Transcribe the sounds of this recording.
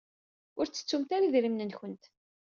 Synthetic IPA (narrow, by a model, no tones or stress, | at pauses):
ʊɾt͡sːə̥t͡sːumt̪aɾaðɾimnənçənt̪